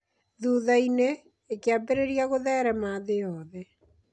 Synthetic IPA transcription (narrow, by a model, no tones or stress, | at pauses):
ðuðaineː | keabeɾeɾiaɣoðɛɾɛmaːðeɔːðɛ